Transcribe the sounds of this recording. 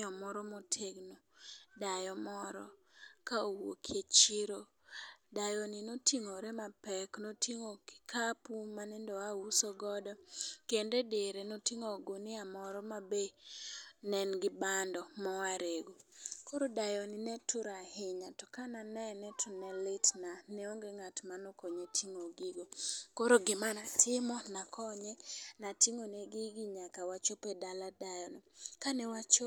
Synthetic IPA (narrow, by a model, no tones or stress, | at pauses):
ɔmɔɾɔmotʰeɡnodajɔmɔɾɔ̰kaowo̰kʰjet͡ʃiɾo | dajɔnɪnotʰiŋoɾemapɛknotʰiŋokɪ̥kʰapumanɛndɔausoɡɔdɔkendedeɾenotiŋoɡonɪamɔɾɔmabe | nɛnɡɪbandɔmɔwaɾeɡokoɾodajɔninɛtʰʊɾahɪɲatɔkananɛnɛtʰʊnɛlɪtnanɛoŋɡeŋatmanokoɲetʰiŋoɡiɡokoɾoɡɪmanatʰɪmɔnakʰɔɲɛnatiŋoneɡiɡiɲakawat͡ʃopedaladajɔnikanɛwat͡ʃo